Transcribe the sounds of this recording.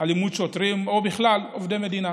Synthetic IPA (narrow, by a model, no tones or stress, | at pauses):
halimudʃotʁimobiχlalovde̞me̞d̪ina